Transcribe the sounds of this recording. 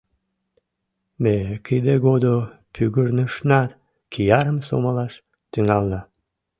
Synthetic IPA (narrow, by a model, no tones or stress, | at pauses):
mekid̪eɡod̪opʰyɣərnəʃnɑt̪ | kʰijɑɾəmso̰malɑʃ | t̪yŋɑlːɑ